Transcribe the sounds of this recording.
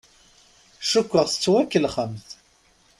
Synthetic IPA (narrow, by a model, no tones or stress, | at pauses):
ʃʊkʷːəʁθə̥t͡sːwækːəlχəmθ